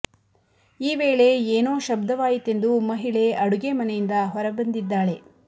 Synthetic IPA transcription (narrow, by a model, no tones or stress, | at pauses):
iːʋe̞ːɭe̞eːnoːʃɐbd̪ɐʋaːjit̪ːe̞nd̪umɐɦiɭe̞ɐɽuɡemɐnejind̪ɐɦɔɾɐbɐnd̪id̪ːaːɭe̞